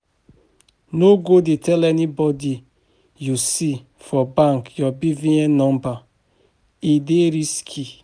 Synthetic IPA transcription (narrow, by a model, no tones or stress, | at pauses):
noɡodetʰɛlɛnibɔdi | jusi | fɔbãŋkjɔbivĩɛ̃nɔ̃mba | ideɾiskʰi